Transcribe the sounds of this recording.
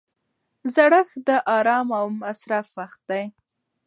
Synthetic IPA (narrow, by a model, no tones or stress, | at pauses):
zaɽəxd̪əʔɑɾɑmawmasɾafwaxt̪̚d̪aj